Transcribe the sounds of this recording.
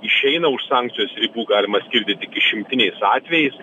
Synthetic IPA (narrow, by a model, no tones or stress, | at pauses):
ɪʃʃʲɛɪnɐʊʃsɑːŋk̪̚sʲɪjoːsɾʲɪbuːɡɑːlʲɪmɐsʲkʲɪɾʲd̪ʲɪt̪ʲɪkʲɪʃʲɪmʲt̪ʲɪnʲɛɪsɑːt̪ʲʋʲɛjɛɪs